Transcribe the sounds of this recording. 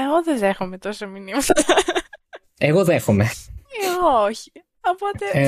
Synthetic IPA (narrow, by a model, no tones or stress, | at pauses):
eɣoðeðe̞xome̞t̪o̞sɐminimɐt̪ɐ | eɣoðexomeeoçi | opo̞t̪e̞